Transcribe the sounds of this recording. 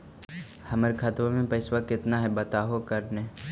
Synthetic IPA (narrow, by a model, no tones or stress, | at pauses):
hɐməɾkʰɐt̪ʋõmẽpɐɪswakɪt̪naɦɛbɐt̪aːɦokɐɾne